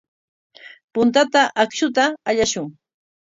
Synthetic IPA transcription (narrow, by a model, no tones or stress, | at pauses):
pʊnt̪at̪aʔakʃʊt̪aːʎaʃʊŋ